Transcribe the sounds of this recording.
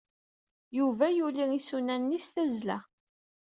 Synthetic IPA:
juvæjuliisunænːisθæzlæ̰

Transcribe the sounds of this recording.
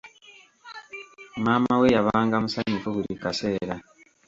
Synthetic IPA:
maːmawejaβaːŋɡamusaɲifuβuɾikase̞ːɾa

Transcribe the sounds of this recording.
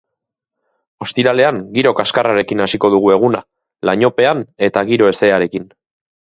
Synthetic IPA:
o̞st̪iɾale̞aŋɡiɾo̞kaskaraɾe̞kinasiko̞ð̞uɣ̞ue̞ɣ̞una | laɲo̞pe̞ane̞t̪aɣiɾo̞e̞se̞aɾe̞kin

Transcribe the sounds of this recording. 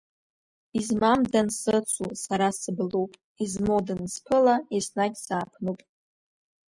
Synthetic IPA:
izmamdansɨt͡sʷʰʼusaɾasɨblupʼ | izmodanspʰɨlaesnaɡʲsaːpʰnupʼ

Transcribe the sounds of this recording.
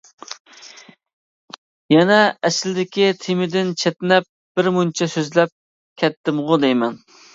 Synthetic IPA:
jɛnɛɛslɪd̪ɪkʲit̪ʰemɪd̪ɪnt͡ʃʰɛt̪nɛp̚ | b̥ɪɾmunt͡ʃʰɛsøzlɛp̚ | kʲʰɛt̪ːɪmʁʊd̪ɛjmɛn

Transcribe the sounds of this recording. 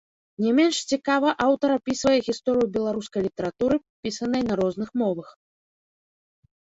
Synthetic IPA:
nʲɛmʲɛnʂt͡sʲikavɐʔawt̪ɐɾapʲisvɐjɛɣʲist̪ɔɾɨjubʲɛlˠaɾuskɐjlʲit̪ɐɾat̪uɾɨ | pʲisɐnɐjnɐɾɔznɨxmɔvɐx

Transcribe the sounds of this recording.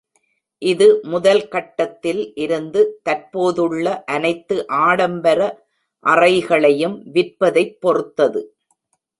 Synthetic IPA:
ʔɪðɯmʊðɐlkɐʈːɐt̪ːɪlʔɪɾɯnd̪ɯt̪ɐɾpoːðɯɭːɐʔɐnɐɪt̪ːɯʔaːɽɐmbɐɾɐ | ʔɐrɐɪɣɐɭɐjɯmʋɪrpɐðɐɪpːɔrɯt̪ːɐðɯ

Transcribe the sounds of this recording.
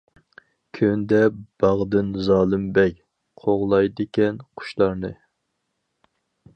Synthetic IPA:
kʲʰønd̪ɛb̥ɑʁd̪ɨnzɑːlˠɨmbɛjʲ | qʰoʁlˠɑjd̪ɪkʲɛnqʰʊ̥ʃlˠɑɾnɨ

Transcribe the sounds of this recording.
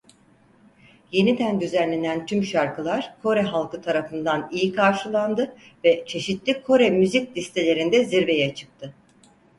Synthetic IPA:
je̞nid̪ænd̪yzænlʲe̞nænt̪ʰymʃaɾkʰɯlˠaɾ̥kʰo̞ɾɛɦalˠkɯt̪ʰaɾafɯnd̪anijikʰaɾʃɯlˠand̪ɯ | vɛt͡ʃʰe̞ʃit̪lʲikʰo̞ɾɛmyzic̚lʲist̪ʰelʲe̞ɾind̪ɛziɾbe̞jɛt͡ʃʰɯ̥k̚t̪ʰɯ

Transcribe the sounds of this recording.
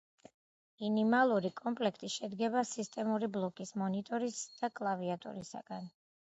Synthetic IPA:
inimalˠuɾikʼɔmpʼlɛkʰt̪ʼiʃɛd̪ɡɛbasist̪ʼɛmuɾiblˠɔkʼismɔnit̪ʼɔɾisd̪̥akʼlˠaviat̪ʼɔ̰ɾisa̰ɡ̥an

